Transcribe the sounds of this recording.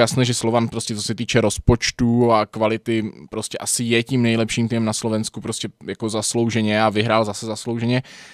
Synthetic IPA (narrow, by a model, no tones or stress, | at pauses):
jasnɛːʒɛslovanpɾoscɛt͡sosɛt̪iːt͡ʃɛɾo̞spo̞t͡ʃt̪uakvalɪt̪ɪpɾo̞scɛʔasɪjɛciːmnɛjlɛpʃiːmt̪imɛmnaslo̞vɛnskupɾoscɛjako̞zaslowʒɛɲɛavɪɦɾaːlzasɛzaslowʒɛɲɛ